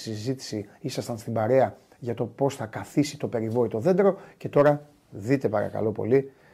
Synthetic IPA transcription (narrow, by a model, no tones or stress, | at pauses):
sizit̪i̥siisɐst̪ɐnst̪imbɐɾe̞ɐ | ʝɐt̪o̞po̞sθɐkɐθisit̪o̞pe̞ɾivo̞it̪o̞ðe̞nd̪ɾo̞ce̞t̪o̞ɾɐ | ðit̪e̞pɐɾɐ̰kɐ̰lo̞po̞̰li